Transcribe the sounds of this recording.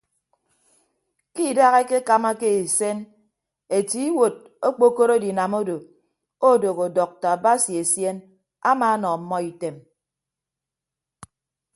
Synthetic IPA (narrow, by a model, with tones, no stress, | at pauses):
ki˦˨da˦ɣe˦ke˦ka˨ma˦ke˦i˨se˦n | e˨ti˨˦wo˨d̚ | o˦k͡po˦ko˦ɾo˦di˨na˨mo˦do˨ | o˦˨do˨ɣo˨dɔ˨k̚ta˨a˨ba˦si˨e˨sje˦n | a˦maː˨˦nɔ˨m̩˦mːɔ˦i˨te˨m